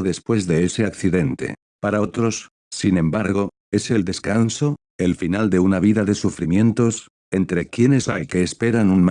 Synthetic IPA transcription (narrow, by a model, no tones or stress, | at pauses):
ðe̞spwe̞zðe̞ese̞akθiðe̞nt̪e̞̰ | paɾaot̪ɾo̞s | sinẽ̞mbaɾɣ̞o̞ | e̞seld̪e̞skanso̞ | e̞lfinald̪e̞unaβ̞iðaðe̞sufɾimjẽ̞nt̪o̞s | e̞nt̪ɾe̞kje̞ne̞salke̞ːspe̞ɾanunm